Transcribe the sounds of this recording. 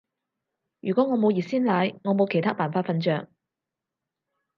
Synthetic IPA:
jyː˨˩kʷɔː˨˥ŋɔː˨˧mo˨˧wjiː˨˩siː˥nlaː˨˧jŋɔː˨˧mo˨˧wkʰe˨˩jt̪aː˥paː˨nfaː˧t̚fɐ˧nt͡ʃœː˨ŋ

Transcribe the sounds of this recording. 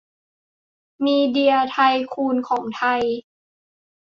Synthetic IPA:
miː˧di˧ɐt̪ʰa˧jkʰuː˧nkʰɔː˩˦ŋt̪ʰa˧j

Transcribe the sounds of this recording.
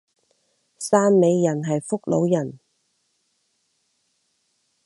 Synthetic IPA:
saː˥nme˨˧jːɐ˨˩nɦɐ˨jfʊ˥k̚lo˨˧wjɐ˨˩n

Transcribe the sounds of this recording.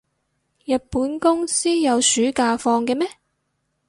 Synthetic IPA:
jɐ˨t̚puː˨˥nkʊ˥ŋsiː˥jɐ˨˧wsyː˨˥kaː˧fɔː˧ŋkɛː˧mɛː˥

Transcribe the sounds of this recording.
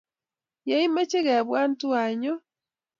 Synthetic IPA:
ja˦i˦me˦t͡ʃe˦ɣɛ˨βwa˦ntu˦a˨ɲɔ˦

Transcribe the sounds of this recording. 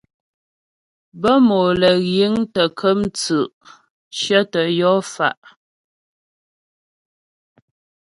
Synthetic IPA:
bə˦mo˨lə˨ɣji˨˦ŋtə˨kʰə˦mt͡sʉ˨ʔ | ʃjə˦tə˨jɔ˦fa̰˨ʔ

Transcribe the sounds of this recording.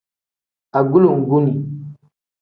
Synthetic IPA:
a˨ɡu˦lu˨ŋ˨ɡu˦mi˨

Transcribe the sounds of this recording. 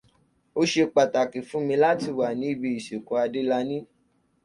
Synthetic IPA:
o˧ʃe˧k͡pa˨ta˨ki˨fũ˦mĩ˧˦la˦ti˧wa˨nĩ˨˦i˦˧bi˧i˨ʃi˨kɔ̃˨˧a˧de˦la˧˦nĩ˦

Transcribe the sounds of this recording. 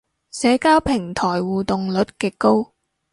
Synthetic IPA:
sɛː˨˥kaː˥wpʰɪ˨˩ŋt̪ʰɔː˨˩jwuː˨t̪ʊ˨ŋlɵ˨˥t̚kɛː˨˧ko˥w

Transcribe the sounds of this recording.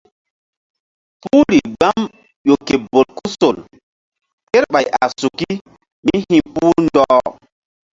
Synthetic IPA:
pu˦ɾi˨ɡ͡ba˦m | jo˨ke˨bo˨tku˦so˨l | ke˦ɾɓa˨jʔa̰˨su˨ki˦ | mi˦hĩ˨puː˦ɾndɔː˦

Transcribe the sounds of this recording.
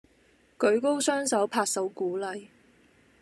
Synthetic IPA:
kɵ˨˥ɥko˥wsœː˥ŋsɐ˨˥wpʰaː˧t̚sɐ˨˥wkuː˨˥lɐ˨j

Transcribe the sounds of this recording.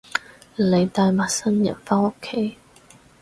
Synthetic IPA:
le˨˧jt̪aː˧jma˨˩sə˥njɐ̰˨˩nfa˥ŋo˧˥kʰe˥

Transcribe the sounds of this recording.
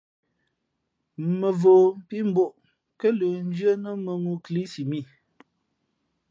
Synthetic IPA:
mə˨vo˨m̩˦pi˦m̩˦bo˨ʔ | kə˦lə˨n̩˦d͡ʒɰə˦nə˦mə˨mu˦kli˦si˨mi˦˨

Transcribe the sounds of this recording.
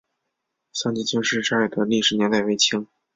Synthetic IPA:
ɕɑ˥˧ŋt͡ɕi˥˩t͡ɕi˥˧ʂɻ̩˥˧ʈ͡ʂa˥i˨˩d̪ə˦li˥˩ʂɻ̩˨˩njɛ˧˥nt̪a˥˩we˧˥ɪt͡ɕʰi˧˥ŋ

